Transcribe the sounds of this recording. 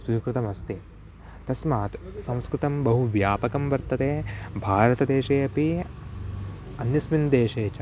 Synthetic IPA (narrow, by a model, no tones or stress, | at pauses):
siːkɾɪt̪ɐmɐst̪i | t̪ɐsmaːt̪sɐ̃w̃skɾɨt̪ɐmbɐɦuʋjaːpɐkɐmʋɐɾt̪ɐt̪eːbʱaːɾɐt̪ɐd̪eːʃeːɐpi | ɐnjɐsmind̪eːʃeːt͡ʃa